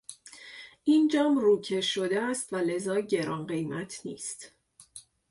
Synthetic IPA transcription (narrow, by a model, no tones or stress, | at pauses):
ʔind͡ʒɒːmruːcʰe̞ʃod̪eæst̪væle̞zɒːɟe̞ɾɒːnɢe̞jmæt̪ʰnḭːst̪